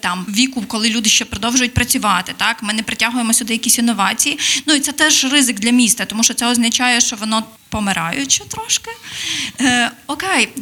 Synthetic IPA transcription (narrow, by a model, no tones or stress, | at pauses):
t̪ɑmʋʲikʊkɔlˠɪlʲud̪ɪʃt͡ʃɛpɾɔd̪ɔwʒʊjʊt̚ʲpɾɐt͡sʲʊʋɑt̪ɪt̪ɑkmɪnɛpɾɪtʲaɦʊjemɔsʲʊd̪ɪjɐkʲisʲinːɔʋɑt͡sʲijinuit̪sɛt̪ɛʒrɪzɪɡd̪lʲɐmʲist̪ɐt̪ɔmuʃt͡ʃɔt̪ɛɔznɐt͡ʃɑjɛʃt͡ʃɔʋɔnɔ | pɔmɪɾɑ̰jʊt͡ʃɛt̪ɾɔʃkɪ | ɔkɛj